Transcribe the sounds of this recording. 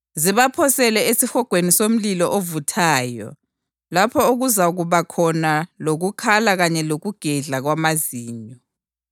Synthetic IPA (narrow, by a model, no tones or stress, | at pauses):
ziβapʰɔsɛlɛesixɔɡ̥ʱwenisom̩lilɔʔovutʰaːjɔ̰ | lapʰɔuɣuzaɣuβakʰɔnaloɣukʰalaɣaɲɛloɣuɡ̥ʱɛɮaɣwamaziːɲɔ